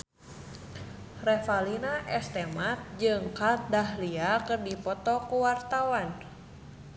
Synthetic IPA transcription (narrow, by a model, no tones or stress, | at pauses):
rɛfalinaʔɛst̪ɛmat̪̚d͡ʒɨŋkal̚daɦliakɨrdipɔt̪ɔkuwart̪awan